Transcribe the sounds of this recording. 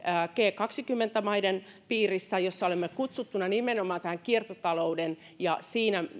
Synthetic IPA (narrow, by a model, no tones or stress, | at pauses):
əːkeːkɑksikymːent̪æmɑiden | piːrisːæjosːɑolemːekut̪sut̪ːunːˑɑnimenomɑːnt̪æhæŋkiert̪ot̪ɑlouden | jɑsiːnæ